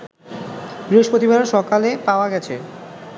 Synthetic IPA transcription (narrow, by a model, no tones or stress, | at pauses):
b̥ɾiɦoʃpɾot̪ibanaɾʃɔkalepaoaɡɛt͡ɕʰḛ